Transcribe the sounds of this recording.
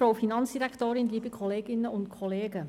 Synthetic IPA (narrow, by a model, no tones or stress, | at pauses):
ɾoːfinɑnsd̥iɾɛktoːɾɪnliːbəkʰɔleːɡɪnəʊntkʰɔleːɡə